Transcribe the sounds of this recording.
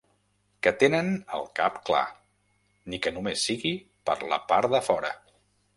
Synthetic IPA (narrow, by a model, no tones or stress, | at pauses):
kət̪enənə̰lˠka̰pkla̰ | nikənumesːiɣi | pə̰ɾlə̰paɾd̪əfɔɾə